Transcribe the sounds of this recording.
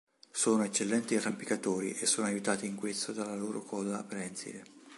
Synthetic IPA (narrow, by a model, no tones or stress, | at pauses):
soːnoet͡ʃːelːɛnt̪irampikat̪oːɾḭʔesːoːnoajut̪aːt̪iːŋkwest̪od̪alːaloːɾʔokʰɔːzapɾɛnsḭle